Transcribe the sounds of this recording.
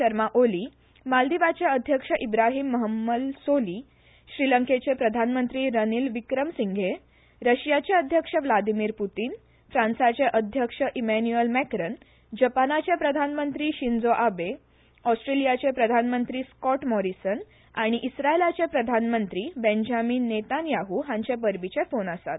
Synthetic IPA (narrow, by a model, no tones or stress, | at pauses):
əɾmaʔoli | mald̪iʋat͡ɕeəd̪ʱjəkʂəʔibɾaɦiːmːəɦəmːəd̪soli | ɕɾiləŋket͡ɕepɾəd̪ʱanmənt̪ɾiːɾəniːlʋikɾəmsiŋɡʱe | ɾəɕjat͡ɕeəd̪ʱjəkʂəʋlad̪imiːɾput̪iːn | fɾãnsat͡seʔəd̪ʱjəkʂəʔimɛnuəlmɛkɾən | d͡ʑəpanat͡ɕepɾəd̪ʱanmənt̪ɾiːɕind͡zoʔabe | ɔsʈɾelijat͡sepɾəd̪ʱanmənt̪ɾiːskɔʈmɔɾisən | aɽ̃iʔisɾaelat͡sepɾəd̪ʱanmənt̪ɾiːbend͡ʑamiːnːet̪anjaɦuɦãɲt͡ɕepəɾbit͡ɕefonəsa̰t̪̚